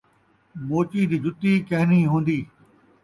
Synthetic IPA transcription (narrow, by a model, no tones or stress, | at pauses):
moːt͡ɕid̪iːd͡ʑʊt̪iːkɐɦɪniːɦũːn̆d̪iː